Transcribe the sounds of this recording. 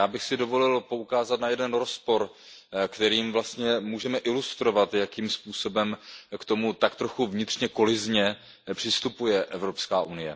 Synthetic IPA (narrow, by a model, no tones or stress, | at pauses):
jaːbɪxsɪdo̞vo̞lɪlpo̞ukaːzat̪najɛdɛnɾo̞spo̞ɾkt̪ɛɾiːmvlast̪ɲɛmuːʒɛmɛʔɪlust̪ɾo̞vat̪jakiːmspuːso̞bɛmkt̪o̞mut̪akt̪ɾo̞xuvɲɪt̪r̝̥ɲɛko̞lɪzɲɛ | pr̝̥ɪst̪upujɛʔɛvɾo̞pskaːʔunɪjɛ